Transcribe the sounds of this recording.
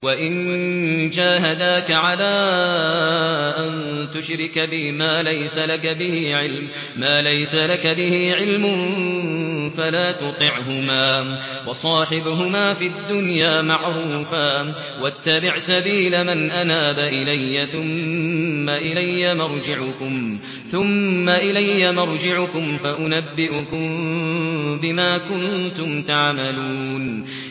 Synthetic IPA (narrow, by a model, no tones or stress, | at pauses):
waʔɪn | d͡ʒaːɦad̪aːkaʕalaː | ʔant̪ʊʃɾɪkbɪmaːlajsalakabɪhiʕɪlm | maːlajsalakabɪhiʕɪlmʊn | falaːt̪ʊt̪ˤɨʕɦʊmaː | wɑsˤɑːħɪbɦʊmaːfid̪ːʊnjaːmaʕɾuːfa | wat̪ːabɪʕsabiːlamanʔanaːbaʔɪlajːaθʊmː | aʔɪlajːamɑɾˤd͡ʒɪʕʊkʊm | θʊmːaʔɪlajːamɑɾˤd͡ʒɪʕʊkʊmfaʔʊnabːɪʔʊkʊm | bɪmaːkʊnt̪ʊmt̪aʕmaluːn